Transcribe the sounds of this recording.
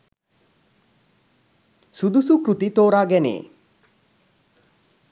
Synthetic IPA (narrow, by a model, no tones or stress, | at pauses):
sud̪usukɾut̪it̪oːɾaːɡɛnḛː